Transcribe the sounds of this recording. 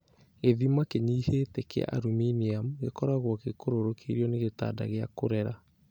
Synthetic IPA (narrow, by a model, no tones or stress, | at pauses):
eðimakeɲihetɛkḛa̰ʔaɾuminiamɣekɔɾaɣwɔkekoɾoɾokʰeiɾiɔneɣeta̰ːda̰ɣeakoɾɛɾa